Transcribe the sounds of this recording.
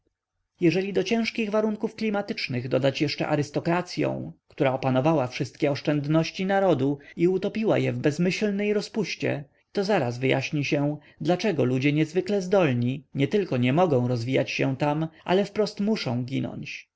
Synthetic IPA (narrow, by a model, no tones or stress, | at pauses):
jɛʐɛlʲid̪ɔt͡ɕɛ̃w̃ʂkʲiɣvaɾuŋkufklʲimat̪ɘt͡ʂnɘɣd̪ɔd̪at͡ɕjɛʂt͡ʂɛ̰ʔa̰ɾɘst̪ɔkɾat̪sʲjɔ̰̃w̃kt̪uɾaɔpanɔvawafʂɘst̪̚kʲɛɔʂt͡ʂɛnd̪nɔɕt͡ɕinaɾɔd̪uiut̪ɔpʲiwa̰jɛvbɛzmɘɕlnɛjɾɔspuɕt͡ɕɛ̰ | t̪ɔzaɾazvɘja̰ɕɲiɕɛ | d̪lat͡ʂɛɡɔlud͡ʑɛɲɛzvɘklɛzd̪ɔlɲiɲɛt̪ɘlkɔɲɛmɔɡɔ̃w̃ɾɔzvʲijat͡ɕɕɛt̪amʔa̰lɛfpɾɔst̪muʂɔ̰̃w̃ɡʲinɔ̰ɲt͡ɕ